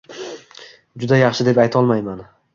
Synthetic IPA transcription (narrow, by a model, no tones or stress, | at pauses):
d͡ʒʊd̪ajɑχʃɪd̪e̞pajt̪ʰɒlˠmajman